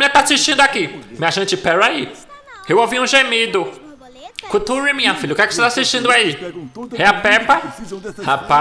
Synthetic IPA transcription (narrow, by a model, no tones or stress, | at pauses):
mĩakt̪aasiʃt͡ʃĩndʊakimĩaʒɐ̃t͡ʃɪpɛɾai | ewoviũʒemid̪ʊ | kut̪uɾimĩɲɐfilʎɐukɛkɪoset̪asiʃt͡ʃĩnd̪ʊaihɛapɛpɐhapa